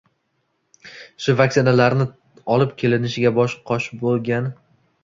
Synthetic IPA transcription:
ʃʊvak̚ʲtsɪnalaɾnɪ | ɒlɪpkʲʰe̞lɪnɪʃɪɡʲabɒʃqʰɒʃbolˠɡʲan

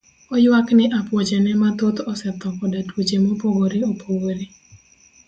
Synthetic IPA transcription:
ɔjwaknɪʔapwɔt͡ʃenɛmat̪ot̪ɔsɛt̪ɔkɔdatwot͡ʃemopoɡoɾiopʰoɡoɾi

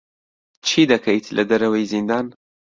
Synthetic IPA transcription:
t͡ʃʰid̪ɐkʰɐjt̪ʰlʔɐd̪ɐɾɐwɐjzind̪aːn

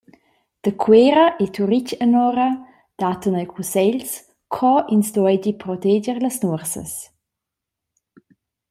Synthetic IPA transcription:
d̥əkʰweːɾəʔetuɾicənɔɾə | d̥atənajkʰusɛʎs | kʰɔʔinsdɔɔjdipɾɔtɛd͡ʒəɾləsnuərsə̰s

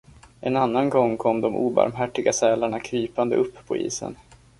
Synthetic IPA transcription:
ʔɛnanːanɡɔŋːkʰɔmːd̪ɔmʔṵːba̰ɾmɦæʈːɪɡasɛːlaɳakʰɾyːpand̪əʔɵpːʰɔḭːsə̰n

